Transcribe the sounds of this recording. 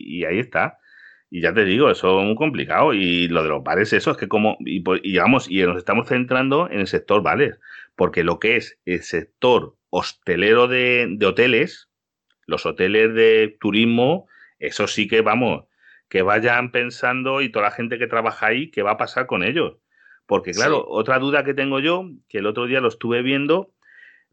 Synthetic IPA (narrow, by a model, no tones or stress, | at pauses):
ḭaie̞st̪a | iʝat̪e̞ðiɣ̞o̞e̞so̞emuiko̞mplḭka̰oilo̞ð̞e̞lo̞̰ɦβale̞se̞soeske̞ko̞mo̞ḭpoiβamo̞sino̞se̞st̪amo̞sθe̞nt̪ɾand̪o̞e̞̰ne̞lse̞k̚t̪o̞ɾβa̰le̞spo̞ɾke̞lo̞kee̞se̞lse̞k̚t̪o̞ɾ | o̞st̪e̞le̞ɾo̞ðe̞d̪e̞o̞t̪e̞le̞s | lo̞so̞t̪e̞le̞zðe̞t̪uɾizmo̞ | e̞̰so̞sike̞βamo̞s | ke̞β̞aʝampe̞nsand̪o̞it̪oalaxẽ̞nt̪e̞ke̞t̪ɾaβaxaike̞βaːpasaɾko̞ne̞ʎo̞s | po̞ɾke̞klaɾo̞̰ʔo̞̰t̪ɾaðuðake̞t̪e̞ŋɡo̞ʝo̞keːlo̞t̪ɾo̞ðialoest̪uβe̞β̞je̞nd̪o̞